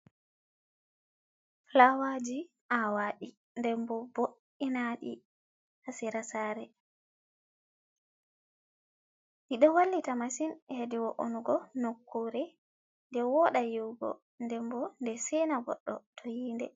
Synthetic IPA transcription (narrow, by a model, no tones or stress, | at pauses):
lawad͡ʒi | ʔawaɗi | ndɛmbɔboʔ | inaɗḭ | hasiɾasaːɾɛ | ɗiɗɔwalːitamasinhediwɔʔo̰nuɡɔnokːoɾɛ | ndɛwɔɗajiwɡɔ̰ | ndɛmbɔndɛsɛnaɡɔ̰ɗːɔ̰tʰojiːndɛ